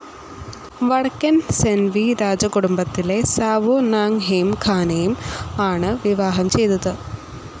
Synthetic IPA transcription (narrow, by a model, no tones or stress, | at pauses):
ʋɐɽɐkːɐnsenʋiɾaːd͡ʑɐkuɽumbɐt̪ːile̞saːʋunaːŋɦeːmkʰaːnejumaːɳɨʋiʋaːɦɐmt͡ɕe̞jt̪ɐðɨ